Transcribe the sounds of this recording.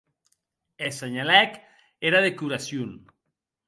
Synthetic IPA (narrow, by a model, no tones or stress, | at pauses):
eseɲalɛk | eɾaðekuɾasjun